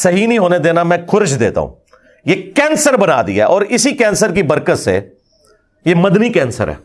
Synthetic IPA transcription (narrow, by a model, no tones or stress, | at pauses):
sɐɦinɐɦĩɦoːned̪eːnamɛ̃ːkʰʊɾʃd̪ḛːt̪a̰ɦṵ̃ː | jeːkɛ̃ːnsəɾbɐna̰ːd̪ḭɦɛːʔɔːɾɪsikɛ̃ːnsəɾkibɐɾkət̪sḛ | jeːmɐd̪nikɛ̃ːnsə̰ɾɦɛ̰ː